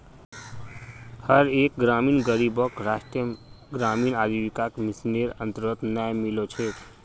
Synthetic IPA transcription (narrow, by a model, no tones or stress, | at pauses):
həɾek̚ɡɾamiːnɡəɾibəkɾasʈɾjə | ɡɾaminad̪ʱiʋikakmisneɾənt̪əɾət̪najmilot͡ʃʰet̪